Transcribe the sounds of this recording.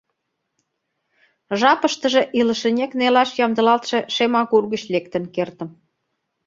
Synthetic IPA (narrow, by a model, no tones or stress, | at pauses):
ʒɑpəʃt̪ə̆ʒĕʔiləʃĕnʲeknelɑʃjɑmd̪ə̆lɑlt̪ʃĕʃemɑkurɣə̆t͡ɕlek̚t̪ə̆nkert̪ə̆m